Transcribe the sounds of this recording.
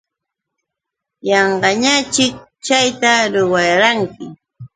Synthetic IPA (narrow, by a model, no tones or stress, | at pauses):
jɑɴɢɑɲat͡ʃɪk̚ | t͡ʃajt̪aɾʊwɑɾaŋkɪ